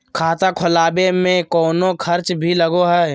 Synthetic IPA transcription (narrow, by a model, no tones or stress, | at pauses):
kʰaːt̪akʰʊlaːbemẽkɔːnokʰɐɾt͡ʃbʱiləɡoɦɛː